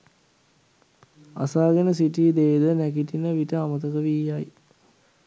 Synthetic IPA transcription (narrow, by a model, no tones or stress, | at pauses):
a̰saːɡenəsiʈid̪eːd̪ənækitinəʋitəamət̪əkəʋijaj